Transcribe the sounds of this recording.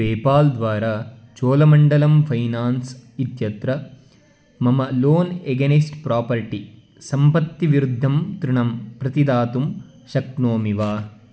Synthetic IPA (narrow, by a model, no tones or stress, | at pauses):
eːpaːld̪ʋaːɾaː | t͡ʃoːlɐmɐɳɖɐlɐmpʰɐjnaːnsit̪jɐt̪ɾɐ | mɐmɐloːneɡɐnisʈpɾaːpɐɾʈi | sɐmpɐt̪ːiʋiɾud̪ʱːɐmt̪ɾuɳɐmpɾɐt̪id̪aːt̪um | ʃɐk̪̚noːmiʋaː